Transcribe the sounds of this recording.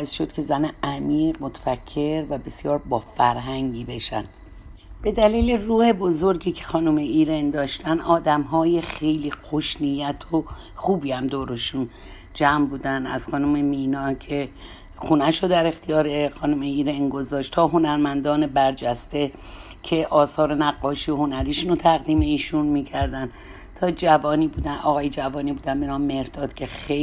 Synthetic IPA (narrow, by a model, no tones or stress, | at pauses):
bɒːesʃod̪̥cʰe̞zæneæmiːʁmot̪ʰfæcʰːe̞ɾvæbe̞sjɒːɾbɒːfæɾɦæŋɟiːbe̞ʃæ̰n | b̥e̞d̪æliːleruːhe̞bozo̞ɾɡiːcʰexɒːnumeiːɾend̪ɒːʃt̪ænɒːd̪æmɦɒːje̞xejliːxoʃnijæt̪ʰo | xuːbiːhæmd̪oːɾoʃun | d͡ʒæmbuːd̪ænd̪æ̰z̥xɒːnume̞miːnɒːcʰe̞ | xunæʃod̪æɾe̞xt̪ʰijɒːɾexɒːnumeiːɾenɡo̞zɒːʃt̪t̪ʰɒːɦo̞næɾmænd̪ɒːne̞bæɾd͡ʒæst̪e̞ | cʲʰe̞ʔɒːsɒːɾe̞næɡːɒːʃiːohonæɾiːʃunot̪ʰæɣd̪iːme̞iːʃunmiːcʰæɾd̪æn | t̪ʰɒːd͡ʒævɒːniːbuːd̪ænʔɒːɣɒːjed͡ʒævɒːniːbuːd̪ænbenɒːmme̞ɾd̪̥ɒːd̪̥kcʰe̞xe